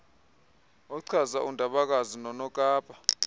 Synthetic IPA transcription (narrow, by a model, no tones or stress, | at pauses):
ɔǀʰazaʔundʱaɓak̬azinɔnɔkʼaːpʼa